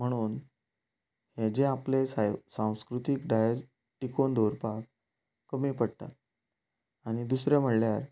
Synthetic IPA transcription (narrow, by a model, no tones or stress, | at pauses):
m̤əɽ̃uːn | hed͡ʑeaplesasãw̃skɾut̪ikɖajed͡z | ʈikond̪ʱoɾpak̚ː | əmiːpəɽt̪a̰t̪ | aɽ̃id̪usɾem̤əɽljaɾ